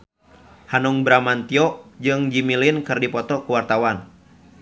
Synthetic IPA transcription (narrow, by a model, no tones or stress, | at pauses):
hanuŋbɾamant̪iɔd͡ʒɨŋd͡ʒimilinkɨrdipɔt̪ɔkuwart̪awan